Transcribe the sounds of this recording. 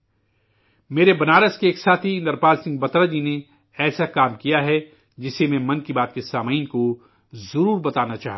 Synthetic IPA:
meːɾebɐnaːɾəskeːksaːt̪ʰiɪ̃nd̪əɾpaːlsɪ̃ŋɡ̚bɐt̪ɾad͡ʒine | ɛːsakaːmkijaɦɛ | d͡ʒɪsemɛ̃mɐ̃nkibaːt̪̚kesaːmaːinko | zɐɾuːɾbɐt̪aːnat͡ʃaːɦ

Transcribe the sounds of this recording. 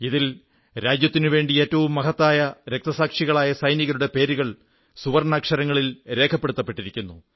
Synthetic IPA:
iðil | ɾaːd͡ʑjɐt̪ːinɨʋe̞ːɳɖie̞ːtːɐʋumːɐɦɐt̪ːaːjɐɾe̞k̚t̪ɐsaːkʂiɣɐɭaːjɐsɐjniɣɐɾuɽe̞pe̞ːɾuɣɐɭ | suʋɐrnaːkʂɐɾɐŋːɐɭilɾe̞ːkʰɐpːe̞ɽut̪ːɐpːe̞ʈːiɾikʲːunːu

